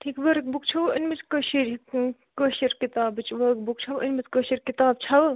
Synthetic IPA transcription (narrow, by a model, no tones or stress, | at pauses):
ʈʰiːkʋɐɾk̚bukt͡ʃʰɐʋənmit͡skəʃiɾ | kəʃiɾkit̪aːbɨt͡ʃʰʋɐk̚bukt͡ʃʰɐʋʔinʲmit͡skəʃiɾkit̪aːb̚t͡ʃʰɐw